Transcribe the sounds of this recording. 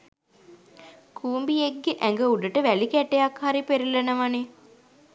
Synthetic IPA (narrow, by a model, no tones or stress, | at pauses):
kʰuːmbieɡːeʔæŋɡəuɖəʈəʋælikæʈejakhaɾipeɾelenəʋane